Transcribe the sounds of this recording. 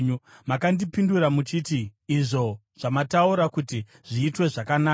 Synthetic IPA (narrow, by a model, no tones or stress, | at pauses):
makandipinduɾamut͡ʃitiːʐo̞ | ʐ̥amatauɾakuti | ʐ̥iːtwe̞ʐakanaː